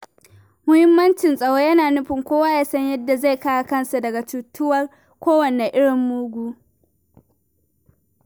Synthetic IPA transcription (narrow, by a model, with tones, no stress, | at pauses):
mʊ˦hɪ˦mːɐ˦nt͡ʃɪ˨nsʼɐ˦ɽoː˦jɐ˦naː˨nʊ˦ɸɪ˨ŋkʷoː˦waː˦jaː˦sɐ˦ɲjɐ˦dːa˨za˦˨jkaː˦ja˨kɐ˦nsa˨dɐ˨ɡa˨t͡ʃuː˨tːʊ˦wɐ˦r | kʷoː˦wɐ˨ne˨ʔɪ˦ɽɪ˨mːʊː˦ɡʷuː˦